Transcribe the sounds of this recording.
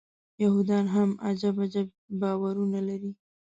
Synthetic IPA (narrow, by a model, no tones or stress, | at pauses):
jahud̪ɑnɦama̰d͡ʒabad͡ʒab̚ | bɑwaɾunalaɾi